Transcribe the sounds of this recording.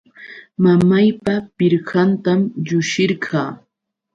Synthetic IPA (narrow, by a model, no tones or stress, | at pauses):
mamajpapɪɾɢɑnt̪amʎʊʃɪɾɢʰɑː